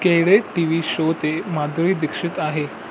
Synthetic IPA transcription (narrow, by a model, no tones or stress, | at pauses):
keɦɭeʈiʋiɕot̪emad̪ɾiːd̪ikʂit̪aɦe